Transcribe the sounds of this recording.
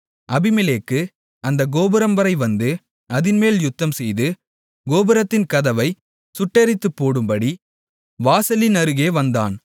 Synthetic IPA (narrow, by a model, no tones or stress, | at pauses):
ʔɐbɪmɪleːkːɯ | ɐnd̪ɐɡoːbɪɾɐmbɐɾɐɪʋɐnd̪ɯ | ɐðɪnmeːljʊt̪ːɐmsɛjðɯ | ɡoːbɪɾɐt̪ːɪnkɐðɐʋɐɪ | sʊʈːɐɾɪt̪ːɯpːoːɽɯmbɐɽi | ʋaːsɐlinɐɾɯɣeːʋɐnd̪a̰ːn